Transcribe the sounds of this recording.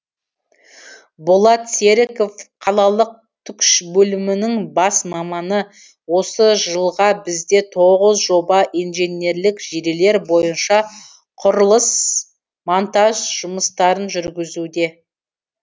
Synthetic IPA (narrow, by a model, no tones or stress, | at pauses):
bolˠɑt̪se̞ɾɪko̞fqʰɑlˠɑlˠəq̚ | t̪ʰʏkʃbɵlɪmɪnɪŋbɑsmɑmɑnə | wo̞səʒəlˠʁɑbɪzd̪e̞t̪ʰoʁəzʒo̞bɑʔijnʒe̞nʲe̞ɾlɪkʒ̥eɾele̞ɾbo̞jənʃɑ | qʰʊɾəlˠəs | mont̪ɑʒʒ̥ʊməst̪ɑɾənʒʏɾɡʲɪzud̪e̞